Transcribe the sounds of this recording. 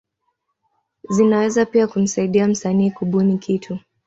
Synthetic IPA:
zinawɛzapiakum̩saiɗiam̩saniːkuɓunikʰitʰu

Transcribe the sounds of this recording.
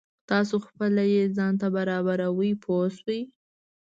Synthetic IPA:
t̪ɑsoxpəlajezɑnt̪abaɾɑbaɾawəjpʰoswəj

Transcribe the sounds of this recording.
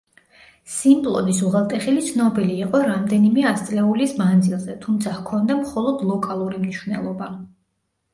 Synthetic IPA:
simbʼlˠɔ̰d̪isuʁɛlˠt̪ʼɛχilit̪sʰnɔbiliːqʼɔɾamd̪ɛnimɛast̪sʼlɛulismand̪zilˠzɛt̪ʰumt̪sʰahkʰɔnd̪amχɔlˠɔd̪lˠɔkʼalˠuɾimniʃwvnɛ̰lˠɔba

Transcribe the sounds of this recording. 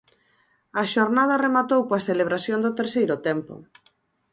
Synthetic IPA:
ɐʃoɾnað̞ɐremat̪owpoaseleβ̞ɾasjond̪ʊt̪eɾsejɾʊt̪ɛmpo̰

